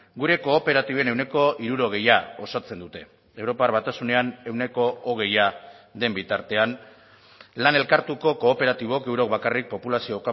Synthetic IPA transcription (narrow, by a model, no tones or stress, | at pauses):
ɡuɾe̞ko̞ːpe̞ɾat̪iβe̞ne̞wne̞ko̞ʔiɾuɾo̞ɣ̞e̞jao̞sat͡se̞nd̪ut̪e̞ | e̞wɾo̞parβat̪asune̞ane̞wne̞ko̞oɣ̞e̞jad̪e̞mbit̪aɾt̪e̞an | lane̞lkaɾt̪uko̞ko̞ːpe̞ɾat̪iβ̞okewɾo̞k̚bakarik̚po̞pulasio̞ka